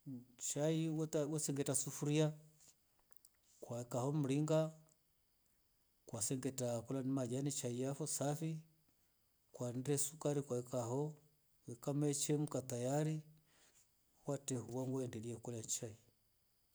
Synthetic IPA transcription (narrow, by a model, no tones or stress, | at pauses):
t͡ʃaiwwɛsɛŋɡɛtasufuɾia | kwaɛkahɔm̩liŋɡa | kwasɛŋɡɛtakulanimad͡ʒanit͡ʃaijafɔsafi | kwandɛsukaɾikwaɛkaɦɔ | wɛkamɛt͡ʃɛm̩katajaɾi | watɛhuwaŋɡɔɛndɛliɛkulaɲt͡ʃai